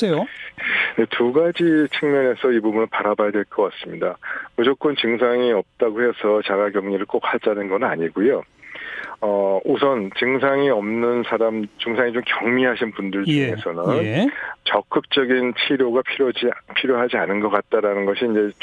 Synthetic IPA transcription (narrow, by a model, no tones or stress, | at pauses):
sejo | ne̞tʰuɡad͡ʑit͡ɕʰɯŋmʌne̞sʰʌibubunɯɭpaɾabajadwe̞ɭk͈ʌk͈as͈ɯmɲidamud͡ʑok͈ɯnt͡ɕɯŋsʰaŋiʌp̚t͈aɡohe̞sʰʌt͡ɕaɡaɡjʌŋɲiɾɯɭk͈ok̚ʰhad͡ʑanɯnɡʌnɯnaɲiɡujo | ʌosʰʌnt͡ɕɯŋs̬ʰaŋiʌmnɯnsʰaɾamt͡ɕɯŋsʰaŋit͡ɕomkjʌŋmiɦaɕʰinpundɯɭt͡ɕuŋe̞sʰʌnɯnt͡ɕʌk͈ɯk̚t͡ɕ͈ʌɡint͡ɕʰiɾjoɡapʰiɾjod͡ʑipʰiɾjoɦad͡ʑianɯnɡʌk͈at̚t͈aɾanɯnɡʌɕʰiːnd͡ʑe̞